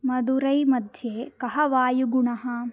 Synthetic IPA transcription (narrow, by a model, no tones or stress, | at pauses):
mɐd̪uɾɐjmɐd̪ʱjeːkɐɦɐʋaːjuɡuɳɐɦɐ